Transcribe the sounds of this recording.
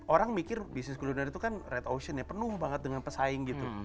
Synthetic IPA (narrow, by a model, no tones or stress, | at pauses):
ʔoɾaŋmikɪrbisnɪskulunəɾit̪ukanret̪osənjapənuhbaŋət̪̚dəŋanpəsaɪŋɡit̪u